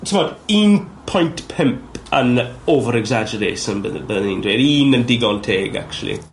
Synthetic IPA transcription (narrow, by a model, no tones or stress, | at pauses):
sʰə̃mɔtiːnpʰɔ̃jntpʰɪ̃mpə̰noːvəɾɛɡzad͡ʒəɾeːʃə̃nbəðbəðnĩndweɾiːnə̃ndɪɡɔntʰeːɡa̰k̚t͡ʃuw̰lˠḭ